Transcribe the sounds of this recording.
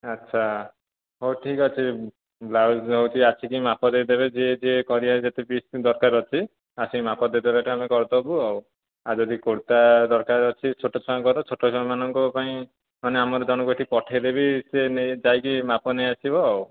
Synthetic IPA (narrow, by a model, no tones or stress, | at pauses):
atːʃʰa | ɦoʈʰikɔt͡ʃʰi | blawsɦowt͡ʃʰiasʰikimapɔd̪ed̪ebed͡ʒed͡ʒekɔɾiad͡ʒat̪ebisd̪ɔɾkaɾɔt͡ʃʰi | asĩmapɔd̪ed̪ebeʈamekɔɾt̪ɔbuɔw | ad͡ʒɔd̪ikoɽt̪ad̪ɔɾkaɾɔt͡ʃʰit͡ʃʰoʈːɔt͡ʃʰɔmakɔɾɔt͡ʃʰoʈʰːɔt͡ʃʰɔmãmanɔŋkɔpaĩ | maneamɔɾɔd͡ʒɔnɔboʈʰipɔʈʰejd̪ebisened͡ʒajkimapɔnejasibɔɦɔw